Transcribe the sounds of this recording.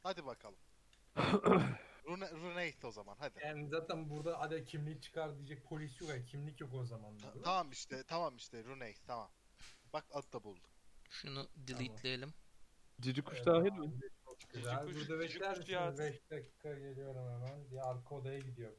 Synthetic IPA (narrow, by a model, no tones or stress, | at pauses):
had̪ibakʰalˠɯm | ɾunɛɾunejso̞zama̰nɦad̪iɛnzaːt̪ʰænbuɾd̪aʔad̪ɛcʰimlʲict͡ʃʰɯ̥kʰaɾd̪d̪iːd͡ʒɛc̚pʰo̞lʲisjokacʰimlʲicjokozamand̪at̪ʰamamiʃt̪ʰɛt̪ʰamamiʃt̪ʰɛɾunejst̪ʰama̰m | bak̚ad̪̚d̪abulˠd̪u̥ʃunud̪ilʲˠit̪lʲejelʲimd͡ʒid͡ʒikʰuʃd̪aːɦilmit͡ʃʰokd͡ʒizlʲubuɾd̪abɛclʲæɾmabɛʃd̪acʰi̥ːkʰaɟe̞lʲijo̞ɾumhɛmænd̪ijɛaɾkʰod̪ajaɟid̪ijo̞ɾu